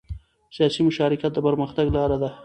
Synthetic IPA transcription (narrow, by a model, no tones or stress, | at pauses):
sijɑsimʊʃɑɾɪkjat̪̚d̪əpəɾməxt̪aɡlɑɾad̪a